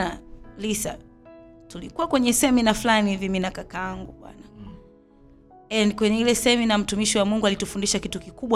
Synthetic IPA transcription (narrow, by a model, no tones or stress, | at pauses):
alisa̰ | tulikuwakwɛɲɛsɛminafulaniviminakakaaŋɡuɓwa̰na | ɛnikwɛɲɛilɛsɛminam̩tumiʃiwamuŋɡualitufundiʃakitukikuɓwa